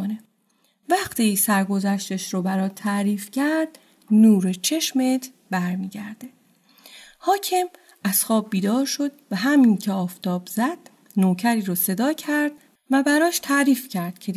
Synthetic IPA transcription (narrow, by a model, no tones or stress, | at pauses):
one | væχt̪ʰisæɾɡo̞zæʃt̪eʃɾobæɾɒːt̪ʰæʔɾiːfcʰæɾd̪ | nuːɾet͡ʃʰe̞ʃmet̪ʰ | bæɾmiːɟæɾd̪̥e̞ | hɒːcʰem | æz̥xɒːb̚ːiːd̪ɒːɾʃo̞d̪̚væɦæmiːncʰeɒːft̪ɒːbz̥æd̪̥̚ | noːcʰæɾiːɾɔːse̞d̪ɒːcʰæɾd̪̥̚ | væbæɾɒːʃt̪ʰæʔɾiːfcʰæɾd̪̥cʰe